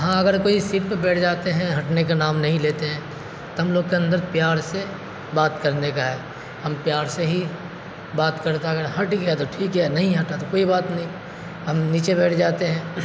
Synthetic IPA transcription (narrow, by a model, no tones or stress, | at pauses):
ɦãɐɡəɾkoːisɪɾpbɛːʈʰd͡ʒaːt̪eɦɛ̃ɦɐʈnekanaːmnɐɦĩleːt̪eɦɛ̃ː | t̪oɦɐmloːɡ̚keɐ̃nd̪əɾpjaːɾse | baːt̪kɐɾnekaɦɛː | hɐmpjaːɾseɦi | baːt̪kɐɾt̪aɐɡəɾɦɐʈɡeat̪oʈʰiːkɦɛnɐɦĩɦɐʈat̪okoːibaːt̪nɐɦĩ | ɦɐmniːt͡ʃebɛːʈʰd͡ʒaːt̪eɦɛ̃ː